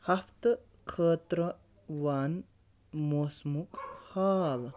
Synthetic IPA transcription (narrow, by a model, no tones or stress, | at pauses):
hɐft̪ | kʰəːt̪ɾə | ʋaːn | moːsmukhaːl